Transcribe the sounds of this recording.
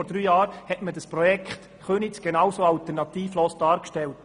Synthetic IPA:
ɔɾd̥ɾyːjɑːɾhɛtmədəspɾɔjɛkχt | χønisɡ̥enɑwsoːɑltɛɾnɑt̪iːfloːsd̥ɑːɾkʃtɛlt

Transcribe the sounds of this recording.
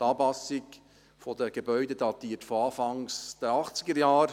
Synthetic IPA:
t̪ɑːpɑsɪk | fɔd̥əɡ̥ebœʏded̥ɑt̪iːətfoɑːfɑŋsd̥əɑχt͡sɪɡəɾjɑːɾ

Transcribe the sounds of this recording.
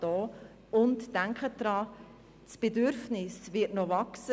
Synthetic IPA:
d̥ɔː | ʊntːæŋkχəd̥ɾɑː | sb̥edʏɾfnɪsvɪtnovɑksə

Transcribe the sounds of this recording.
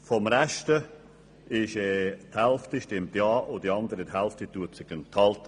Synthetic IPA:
fɔmɾɛʃtə | ɪʃɛːt̪hælftiʃtemtjɑːʔʊd̥iɑnd̪əɾəthɛlftit̪uətsɪɡənt̪hɑlt̪ə

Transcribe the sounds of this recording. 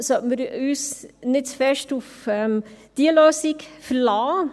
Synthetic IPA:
sɔməɾyːsnɪt̪fɛʃtʊfɛmd̪̥iːəløːsɪkfəlɑː

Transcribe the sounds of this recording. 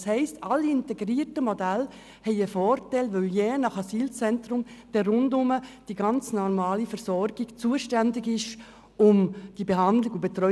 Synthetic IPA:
shɛɪstɑlːiɪnteɡɾiːɾtəmɔdæl | hɛɪəfɔːrtɛɪlʋøljɛnɑχɑsiːlt͡sɛntɾʊmd̥ɛrʊndʊməd̥iɡɑnt͡snɔɾmɑːlifɛɾsɔɾɡɪɡt͡suːəʃtændɪɡɪʃ | ʊmd̥ibeɦɑndlɪɡubetɾœ

